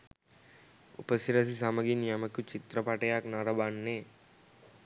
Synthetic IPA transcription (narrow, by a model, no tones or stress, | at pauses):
ṵpɐsiɾɐs̬isamɐɡinijɐmɐkut͡ʃit̪ɾɐpaʈɐjaknaɾɐbanːe